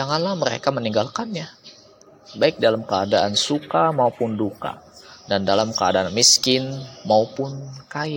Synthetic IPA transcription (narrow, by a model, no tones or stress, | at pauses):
d͡ʒaŋanlahməɾḛkaməniŋɡalkanja | baɪk̚dalamkəadaʔansukamaupʊnduka̰dandalamkəa̰daanmiskɪnmaupʊnkaj